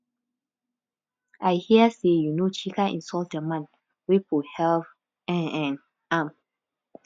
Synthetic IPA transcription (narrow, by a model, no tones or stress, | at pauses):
ʔajhiəsejunot͡ʃikaḭ̃nsɔltdəmãn | wipʰohɛlv | ɛ̃ɛ̃n | ãm